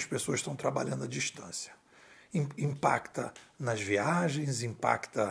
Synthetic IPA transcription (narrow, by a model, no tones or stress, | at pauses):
ɐʃpesoɐzʃt̪ɐ̃w̃t̪ɾaba̰ʎɐ̃nd̪ɐd͡ʒiʃt̪ɐ̃sjɐ̥ | ĩĩpa̰kt̪ɐnɐzviaʒẽj̃zĩpa̰kt̪ɐ